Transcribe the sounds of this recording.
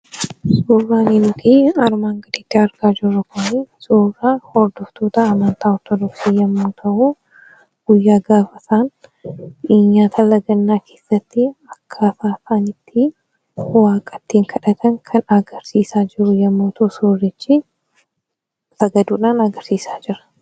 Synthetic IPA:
soːrːaːninʊt̪iɐɾmaːŋɡɐd̪ɪt̪ːɪɐɾɡaːd͡ʒɪrːɐkʊnisoːrahɔɾd̪ɔft̪oːt̪ɐːmɐnt̪aːɔɾt̪ɔd̪ɔksiːjɐmːoːt̪ʰɐʔu | ɡ̥ʊjːaːɡaːfɐt̪aːn | iːɲːaːt̪ʰɐlːɐɡɐnːaːkʰe̞ːsːɐt̪ːɪɐkʰːafaːfaːnɪt̪ʰːɪ | waːkʼɐt̪ːiːŋkʰɐᶑɐt̪ʰɐŋkʰɐnɐɡɐɾsiːsaːd͡ʒɪɾʊjɐmːoːt̪ʰɐʔʊsoːrːɪt͡ʃːɪ | sɐɡɐd̪uːᶑaːnɐɡɐɾsiːsḁːd͡ʒɪɾɐ̥

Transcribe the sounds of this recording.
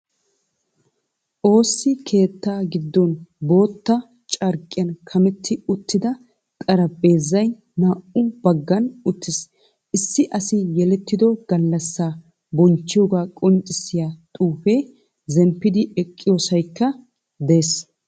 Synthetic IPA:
ʔo̞ːsːɪkʰe̞ːt̪ːaːɡɪd̪ːɔnbo̞ːt̪ːɐ | t͡ʃʼɐɾkʼːɪjɐnkʰɐmɛt̪ʰːɪʊt̪ːɪd̪ɐ | kʼɐɾɐbʼe̞ːzːɐj | maːʔʊbɐɡːɐnʊt̪ːɪs | ʔɪsːɪʔɐsɪjɛlɛt̪ːɪd̪ɔɡ̥ɐlːɐsːaː | bɔnt͡ʃːɪjɔɡaːkʼɔnt͡ʃʼːɪsɪjaːt̪ʼuːfeː | zɛmpːɪd̪ɪɛkʼːɪjoːsɐjkːɐ | d̪e̞ːs

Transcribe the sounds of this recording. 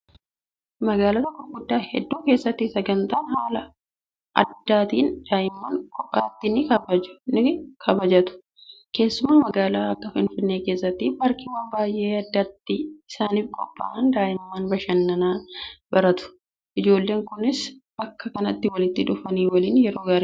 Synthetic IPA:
mɐɡaːlɐt̪ɐkːɔfɡʊd̪ːaːhɛd̪ːuːke̞ːsːɐt̪ːɪsɐɡɐnt̪aːnhaːlɐ | ʔɐ̰d̪ːaːt̪iːnd̪̥aːʔɪmːaːŋkʼɔpʼːaːt̪ːɪnɪkɐbɐd͡ʒʊ̥nɪkʰɐbɐd͡ʒɐt̪ʊ̥ | ke̞ːsːʊmaːmɐɡaːlaːɐkːɐfɪnfɪnːe̞ːke̞ːsːɐt̪ːɪbɐɾkɪwɐnbaːjʔe̞ːɐd̪ːɐt̪ːɪɪsaːniːfkʼɔpʼːa̰ːʔɐnd̪aːʔɪmːaːnbɐʃɐnːɐnaːbɐɾɐt̪ʊ̥ | ʔɪd͡ʒo̞ːlːe̞ːŋkʊnɪsbɐkːɐkɐnɐt̪ːɪwɐlɪt̪ːɪᶑʊfɐniːwɐliːnjɛɾo̞ːɡaːɾi

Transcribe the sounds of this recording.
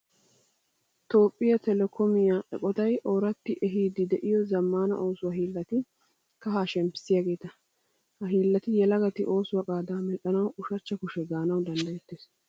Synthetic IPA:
t̪o̞ːpʼːɪjɐt̪ɛlɛkʰɔmɪjaːʔɛ̰kʼɔt̪ɐjʔoːɾɐt̪ːɪʔɛɦiːd̪ɪd̪ɛʔɪjɔzɐmːaːnɐ̰ʔo̞ːsʊwɐhiːlːɐt̪ɪ | kɐɦaːʃɛmpːɪ̥sɪjaːɡe̞ːt̪ɐ | hɐɦiːlːɐt̪ɪjɛlɐɡɐt̪ɪʔo̞ːsʊwɐkʼaːd̪aːmɛʔɐnɐwʊʃɐt͡ʃːɐkʊʃɛɡaːnɐwd̪ɐnd̪ɐjɛt̪ːeːs

